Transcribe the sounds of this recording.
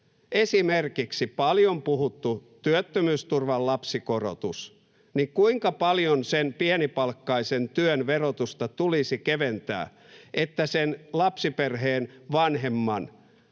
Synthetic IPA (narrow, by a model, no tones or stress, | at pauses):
esimerkiksipɑljompuɦut̪ːut̪yøt̪ːømyːst̪urʋɑllɑpsikoro̰t̪us | nikuiŋkɑpɑljonsenpienipɑlkːɑisent̪yønʋerot̪ust̪ɑt̪ulisikeʋent̪æ̰ː | ʔet̪ːæsenlɑpsiperɦeːnʋɑnɦemːɑn